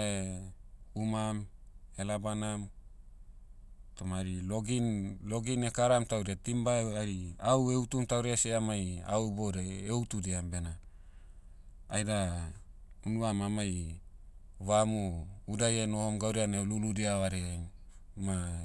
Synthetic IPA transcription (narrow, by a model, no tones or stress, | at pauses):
e | umam | elabanam | tomaɾiloɡinloɡinekaɾamtawɾeatimbaaɾiaweutumtawɾeasieamaja̰wbodaewtudeambena | jda | unuamamaj | βamuudajenohomɡawɾianeluludiaβaɾeenma